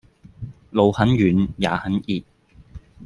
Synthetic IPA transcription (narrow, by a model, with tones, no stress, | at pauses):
lo˨˧whɐ˨˥njyː˨˧nja̰ː˨˧hɐ˨˥nʔiː˨˧t̚